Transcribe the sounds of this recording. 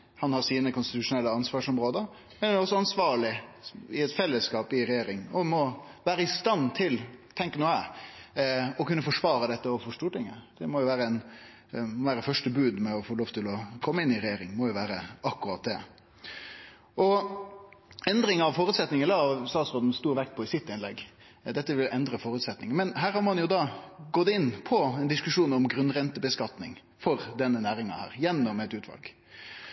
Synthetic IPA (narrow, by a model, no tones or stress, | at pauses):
hɑnhɑɾsiːnəkʊnst̪ɪt̪ʉʂʊnɛlːəɑnsʋɑːʂɔmɾoːd̪əɾ | mɛnɔsːɔɑnsʋɑːɭɪɪɛt̪fɛlːəskɑːpɪɾɛjeːɾɪŋɔmɔʋæːɾəɪst̪ɑnːt̪ʰɪlt̪ʰɛŋkənuːæ | ɔkʉnːəfɔʂʋɑːɾəd̪ɛt̪ːəɔfɔʂt̪uːʈɪŋːəd̪̥ɛmɔjʊʋæːɾəɛn | ɔʋæːɾətfœʂʈəbʉːd̪mɛɔfoːloːʋt̪ʰɪlɔkʰɔmːəɪnːɪɾɛjeːɾɪŋmɔjʊʋæːɾəʔɑkːʉɾɑt̪̚d̪ɛ̰ | ɔ | ɛnd̪ɾɪŋɑʋfoːɾʉːt̪sɛt̪nɪŋəɛlɑɑʋst̪ɑːt̪sɾoːd̪n̩st̪uːɾʋɛkt̪̚pʰɔɪsɪt̪ːɪnlɛ̰ɡ | d̪ɛt̪ːəʋɪlɛnd̪ɾəfoːɾʉːt̪sɛt̪nɪ̰ŋənmɛnɦæːɾhɑɾmɑnjʊd̪ɑːɡɔt̪ːɪnːpʰɔɛnd̪ɪskʉʂuːnɔmɡɾʉnɾɛnt̪əbəskɑt̪nɪ̰ŋ | fɔɾd̪ɛnːənæːɾɪŋɑ̰hæ̰ːɾjɛnːɔmɛt̪ʉːt̪ʰʋɑ̰lɡ̥